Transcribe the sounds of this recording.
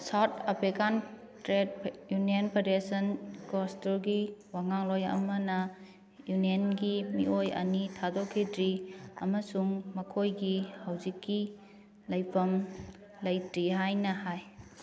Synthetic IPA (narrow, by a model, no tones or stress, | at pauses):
sawtʰapʰɾikan | tɾed̚junienpʰedesɐnkostulɡiwaŋaŋlojɐ̰mɐnɐ | junienɡimiʔojɐ̰nitʰadokʰːidɾiɐmɐsuŋmɐkʰojɡihawzikːi | lɐjpʰɐm | lɐjtɾiɦajnɐhaj